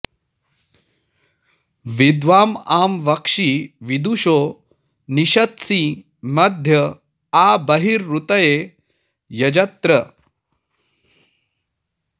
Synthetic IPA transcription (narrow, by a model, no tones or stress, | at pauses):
ʋid̪ʋaːmaːmʋɐkʂiʋid̪uʃo | niɕɐt̪siː | mɐd̪ʱjə | abɐɦiɾːut̪ɐje | jɐd͡ʑɐt̪ɾə